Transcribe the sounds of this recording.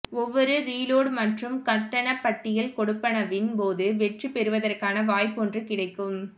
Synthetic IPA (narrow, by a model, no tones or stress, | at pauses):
ɔʋːɔɾɯɾiːloːɽmɐʈrɯmkɐʈːɐɳɐpːɐʈːɪjɪlkɔɽɯpːɐnɐʋɪnpoːðɯʋɛʈrɯpɛɾɯʋɐðɐrkaːnɐʋaːjpːɔndrɯkɪɽɐɪkːɯm